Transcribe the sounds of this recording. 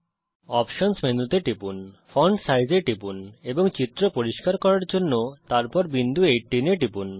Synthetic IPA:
ɔpʃonsmend̪ut̪eʈipunfɔɳɖsajd͡ʑeʈipuneboŋt͡ɕit̪ːɾopoɾiʃkaɾkɔɾaɾd͡ʑonːot̪aɾpɔɾbind̪ʱuejʈːineʈipun

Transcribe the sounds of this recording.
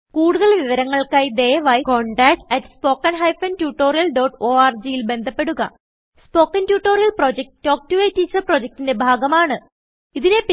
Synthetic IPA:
kuːɽuðɐɭʋiʋɐɾɐŋːɐɭkaːjd̪ejɐʋaːjko̞ːɳɖaːk̚ʈɐʈːɨ̥spo̞ːkːɐnɦɐjfɐntjuːʈːo̞ːrijɐlɖoːʈoːaːrd͡ʑijilbe̞nd̪ʱɐpːe̞ɽuɣɐ̰ | spo̞ːkːɐntjuːʈːoːɾijɐlproːd͡ʑek̚ʈːo̞ːk̚tuʋɐjtːiːt͡ɕːɐrpro̞d͡ʑek̚tinde̞bʱaːɡɐmaːɳɨ | iðinep

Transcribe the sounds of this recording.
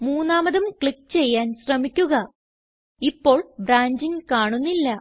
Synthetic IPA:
muːnːaːmɐðumkɭikːt͡ɕe̞jːaːnɕrɐmikʲːuɣɐ | ipːo̞ːɭbɾaːɲd͡ʑiŋkaːɳunːilːɐ

